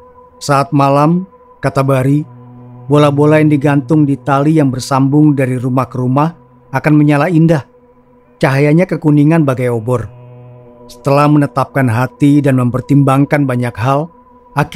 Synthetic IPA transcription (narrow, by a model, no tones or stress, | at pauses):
saːt̪̚malam | kat̪abaɾibolabolajaŋdiɡant̪ʊŋdit̪alijaŋbərsambʊŋdaɾiɾumahkəɾumah | akanməɲalaindah | t͡ʃaɦajaɲakəkuniŋanbaɡajobɔr | sə̥t̪əlahmənət̪ap̚kanɦat̪idanməmpərt̪imbaŋkanbaɲakɦal | ʔak